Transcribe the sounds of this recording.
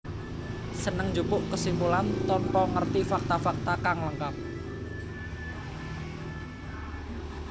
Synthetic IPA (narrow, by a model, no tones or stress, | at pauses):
sənəŋd͡ʒupʊʔkəsimpulant̪ɔnpɔŋərt̪ifak̚t̪afak̚t̪akaŋləŋkap̚